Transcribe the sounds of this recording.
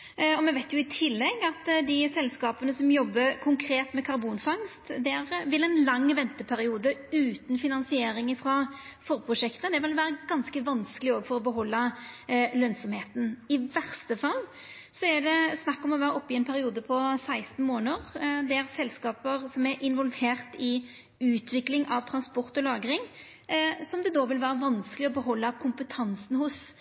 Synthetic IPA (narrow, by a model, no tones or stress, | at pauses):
ɔmɛnʋæɪt̪ʰjʊɪt̪ʰɪlːɛɡɑt̪d̪ɪsɛlskɑːpənəsɔmjɔbːəkʰʊŋkʰɾeːt̪mɛkʰɑɾbuːnfɑŋst̪d̪ɛæɾʋɪlɛnlɑŋːʋɛnt̪əpʰæɾɪuːd̪əʉːt̪n̩fɪnɑnsɪeːɾɪŋəfɾɑːfɔɾpʰɾʊʂɛkt̪əəd̪ɛʋɪlʋæːɾəɡɑnskəʋɑnskəlɪoːɡfɔɾɔbəɦɔlːɑ | lœnsɔmheːt̪nɪʋæʁst̪əfɑlː | sɔæɖ̪ɛsnɑkːɔmɔʋæːɾəɔpːɪɛnpʰæɾɪuːd̪əpʰɔsæɪst̪n̩moːnəʁd̪ɛæɾsɛlskɑːpəɾsɔmæɾʔɪnʋɔlʋeːʁt̪ɪ | ʉːt̪ʰʋɪklɪŋʔɑʋt̪ʰɾɑnspɔɾt̪ɔlɑːɡɾɪŋ | sɔmd̪ɛd̪oːʋɪlʋæːɾəʋɑnskəlɪɔbəɦɔlːəkʰʊmpət̪ʰɑnsn̩hʊs